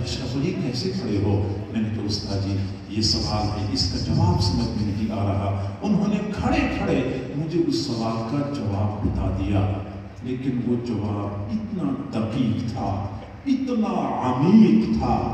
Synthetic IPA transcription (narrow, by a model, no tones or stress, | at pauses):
eʃaʋɐɦikɛːsekʰɐɽeɦoːmɛ̃ːnet̪oʊst̪ʰad͡ʒiː | jeːsɐʋaːlɦɛʔɪskat̪ɐmãːmsɪmət̪mẽɾɦiʔaːɾɐɦaʊnɦõːnekʰɐɽekʰɐɽemʊd͡ʒʱeʊsːɐʋaːlkad͡ʒɐʋaːbbɐt̪a̰ːd̪ɪjaː | leːkɪnʋoːd͡ʒɐʋaːbɪt̪nat̪ɐkiːkt̪ʰaː | ɪt̪naɐmiːkt̪ʰaː